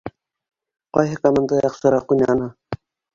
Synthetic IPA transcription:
qɑjɦɤkomand̪ɑjɑqʃɤ̆ɾɑqujnʲænɑ

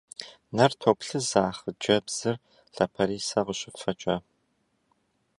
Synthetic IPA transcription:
nɐrtʰoːpɬɨzaːχəd͡ʒɐbz̥ɨr | ɬɐpʰɐɾiːsɐʁəɕɪffɐt͡ʃʼɐ

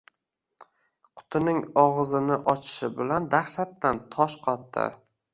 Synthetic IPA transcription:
qʰʊ̥t̪ʰɪnɪŋɒʁɨzɪnɪʔɒt͡ʃʰɪ̥ʃɪbɪland̪aχʃat̪ːant̪ʰɒʃqʰɒt̪ːɪ̰

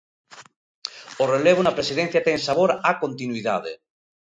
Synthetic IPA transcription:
oreleβ̞onapɾesiðen̟θjat̪eŋsaβ̞oɾakont̪inwiða̰ðḛ

